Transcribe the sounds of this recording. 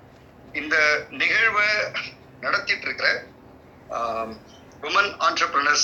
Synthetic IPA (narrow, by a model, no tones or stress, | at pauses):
ɪnd̪ɐnɪɣɐɻʋɐ | nɐɽɐt̪ːɪʈːɪɾɯkːɪɾɐ | ʋɪmɐna̰ːɳɾɐpɾɐnɐɾs